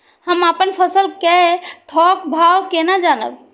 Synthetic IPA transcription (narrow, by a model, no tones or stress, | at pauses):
həmapənpʰəsəlkɛt̪ʰɔkbʱawkenad͡ʒanə̰b